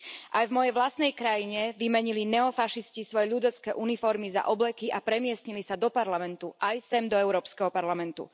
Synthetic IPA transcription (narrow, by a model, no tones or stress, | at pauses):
ʔajvmɔjɛjʋlast̪nɛjkɾajiɲɛʋimɛɲilinɛɔfaʃiscisʋɔjɛʎud̪ɛt͡skɛʔunifɔɾmiza̰ʔɔblɛkiʔapɾɛmɪɛsɲilisad̪ɔpaɾlamɛnt̪uʔajsɛmd̪ɔɛʊɾɔːpskɛɦɔpaɾlamɛnt̪ṵ